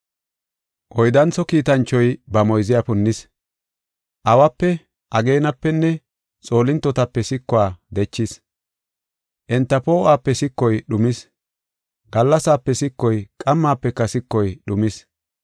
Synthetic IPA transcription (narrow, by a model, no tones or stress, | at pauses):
ʔɔjd̪ɐnt͡sːɔkiːt̪ɐnt͡ʃːɔjbɐmɔjzɪjapʊnːɪs | ʔɐwɐpːɛ | ʔɐɡe̞ːnɐpːɛnːɛ | t͡sʼo̞ːlɪnt̪ːɔt̪ɐpːɛsɪkːʊaːd̪ɛt͡ʃːɪs | ʔɛnt̪ːɐpo̞ːʔaːpːɛsɪkːɔjɗʊmɪs | ɡɐlːɐsaːpːɛsɪkːɔjkʼɐmːaːpːɛkːɐsɪkːɔjɗʊmɪs